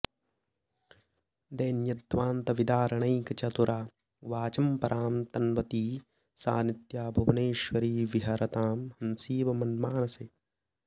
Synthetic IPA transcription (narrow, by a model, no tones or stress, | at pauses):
d̪ɐjnjɐd̪ʋaːnt̪ɐʋid̪aːɾɐɳɐjkɐt͡ʃɐt̪uɾʔaː | ʋaːt͡ʃɐmpɐɾʔaːmt̪ɐnʋɐt̪iː | sa̰ːnit̪jaːbʱɐʋɐneːʃwɐɾiːʋiɦɐɾɐt̪aːmhɐnsiːʋɐmɐnmaːnɐse